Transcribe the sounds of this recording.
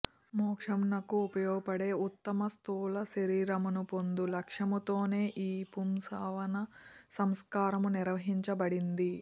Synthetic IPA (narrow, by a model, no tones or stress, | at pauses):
mɔːkʂɐmnɐkuːpɐjɔːɡɐpɐɽe̞ːut̪ːɐmɐst̪uːlɐʃɐɾiːɾɐmunupo̞nd̪ulɐkʂɐmut̪o̞ːne̞ːʔiːpumsaːʋɐnɐsɐmskaːɾɐmuniɾɐʋɐɦiɲt͡ʃɐbɐɽind̪i